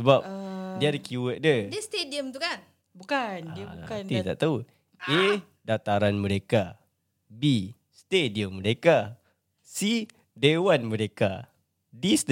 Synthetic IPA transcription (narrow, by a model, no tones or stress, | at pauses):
səbap̚diadəkjuwək̚dədst̪ediəmt̪ukan | bukant̪it̪a̰ʔt̪au | e | dat̪aɾanməɾeka | bi | st̪ediəmːəɾeka | si | dewanməɾeka̰ | dist̪